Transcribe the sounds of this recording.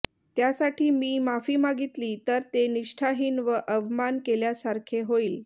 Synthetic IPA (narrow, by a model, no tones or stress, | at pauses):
t̪jasaʈʰiːmiːmafiːmaɡit̪liːt̪əɾt̪eniʂʈʰaɦiːnʋəʔəʋmankeljasaɾkʰeɦoiːl